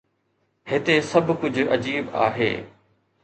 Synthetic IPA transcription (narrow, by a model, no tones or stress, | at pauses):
hɪt̪esɐbʱkʊd͡ʑʱɐd͡ʑiːba̰ːɦḛː